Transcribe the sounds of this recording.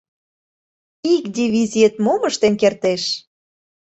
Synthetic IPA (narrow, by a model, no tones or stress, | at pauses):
ikd̪ʲiβizʲiet̪moməʃt̪enkert̪eʃ